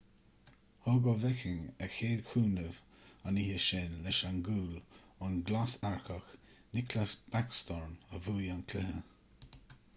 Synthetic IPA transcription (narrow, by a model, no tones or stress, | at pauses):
hɔɡɔvɛkɪŋəxeːd̪kʰuːnəv | anihəʃɪnlɛʃanɡuːlʊnɡlasaɹxəx | nɪklasb̥akst̪ɔɹnəvuːjankʰlɪhə